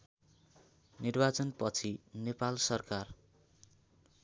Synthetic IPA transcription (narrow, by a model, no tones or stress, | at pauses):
nirbat͡sʌnpʌt͡sʰinepalsʌrkar